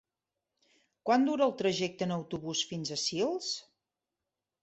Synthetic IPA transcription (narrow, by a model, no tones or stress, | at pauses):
kwand̪uɾəlˠt̪ɾəʒɛk̚t̪ənəwt̪uβusfinzəsilˠs